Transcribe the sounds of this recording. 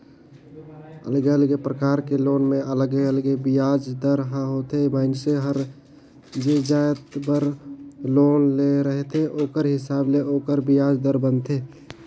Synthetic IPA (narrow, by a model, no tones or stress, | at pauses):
ə̰ləɡeəlɡepɾəkaːɾkeloːnmẽʔələɡeələɡebɪjaːd͡ʒd̪əɾɦə̃ɦoːt̪ʰeməɪnseɦəɾ | d͡ʒed͡ʒaːjət̪bəɾloːnleɾəɦet̪ʰeʔoːkəɾɦɪsaːbleʔoːkəɾbijaːd͡ʒd̪əɾbənt̪ʰeː